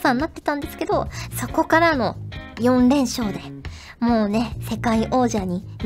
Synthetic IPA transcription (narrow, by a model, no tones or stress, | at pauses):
sãnːat̪ːe̞̥t̪ãnd̪e̞sɨ̥ke̞d̪o̞so̞ko̞kaɾano̞jõ̞nɾẽ̞ɰ̃ɕo̞ːd̪e̞ | mo̞ːne̞se̞kaiʔo̞ːʑaɲ̟i | m